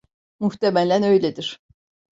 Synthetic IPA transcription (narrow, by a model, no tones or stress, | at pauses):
muht̪emælʲænø̞jlʲed̪iɾ̥